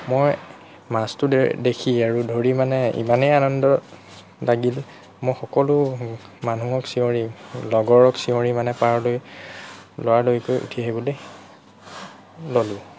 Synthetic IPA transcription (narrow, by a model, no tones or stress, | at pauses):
moj | mastʊdekʰiaɹudʱoɹimanɛḭmanejanɔndɔ | laɡil | mojxɔkɔlʊmanuɔksiõɹilɔɡɔɹɔksiõɹimanɛpaɹloj | lowaɹlojkojʔṵtʰiaɦibɔloj | lolʊ̃